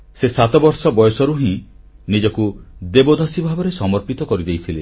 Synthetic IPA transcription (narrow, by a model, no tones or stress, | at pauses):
sesat̪ɔbɔɾsɔbɔjɔsɔɾuɦĩ | nid͡ʒɔkud̪ebod̪ʱasibʱabɔɾesɔmɔɾpit̪ɔkɔɾid̪ejt̪ʰile